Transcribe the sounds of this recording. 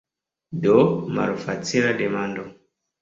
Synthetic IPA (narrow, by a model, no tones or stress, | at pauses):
dɔmaɾufat͡siɾadɛmandɔ